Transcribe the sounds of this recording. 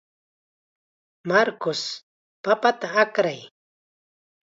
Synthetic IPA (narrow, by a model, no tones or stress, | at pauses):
maɾkʊs | papat̪aːkɾaj